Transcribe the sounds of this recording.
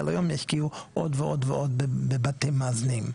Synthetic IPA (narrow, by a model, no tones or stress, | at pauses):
a̰lajomjaʃkiuʔodveʔod̪veʔo̞d̪bebatimːaːznim